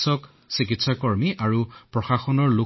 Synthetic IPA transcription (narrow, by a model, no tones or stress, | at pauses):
sɔk | sik̬itsakɔɹmiʔaɹupɹɔxaxɔnɔɹlu